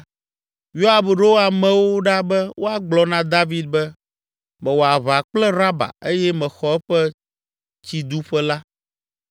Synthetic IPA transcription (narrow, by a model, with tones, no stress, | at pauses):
jo˦a˨bɖo˦wo˦a˨mɛ̃˨wo˦ɖa˦bɛ˦wo˦a˨ɡ͡blɔ˨nã˦d̪a˦vi˦d̪̚bɛ˦ | mɛ̃˨wo˨a˨βa˨k͡plɛ˦ɾa˦ba̰˨e˦jɛ˦mɛ̃˨xɔ˨ɛ˦ɸɛ˦ | t͡ɕi˨d̪u˦ɸɛ˦la˦